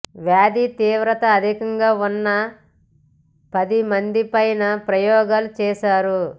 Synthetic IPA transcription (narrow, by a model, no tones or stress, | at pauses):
ʋjaːd̪it̪iːʋɾɐt̪ɐːd̪ʱikɐŋɡaːunːɐ | pɐd̪imɐnd̪ipɐjnɐpɾɐjɔːɡaːlut͡ʃɛːʃaːɾu